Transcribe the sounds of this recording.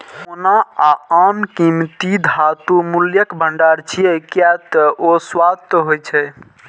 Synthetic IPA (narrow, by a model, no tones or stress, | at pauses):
onaaamkimt̪id̪ʱat̪umuljəkbʱəɳɖaɾt͡ʃʰiɛkjat̪ɔoswad̪̚t̪ɔɦojt͡ʃʰɛ